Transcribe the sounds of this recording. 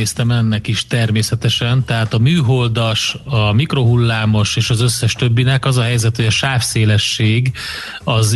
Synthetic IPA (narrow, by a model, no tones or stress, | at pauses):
eːst̪ɛmɛnːɛkiʃt̪ɛrmeːsɛt̪ɛʃɛnt̪ɛɦaːt̪ɒmyːɦo̞ld̪ɒʃɒmikro̞ɦulːaːmo̞ʃeːʃɒzøsːɛʃt̪ø̞bːinɛkɒzɒɦɛjzɛt̪hoɟɒʃaːfseːlɛʃːeːɡ | ɒz